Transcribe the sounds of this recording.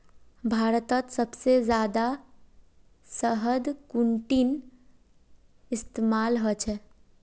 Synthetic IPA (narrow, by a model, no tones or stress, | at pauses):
bʱaːɾət̪ət̪səbsezjaːd̪a | səɦəd̪kuɳʈin | ɪst̪emaːlɦət͡ʃʰɛ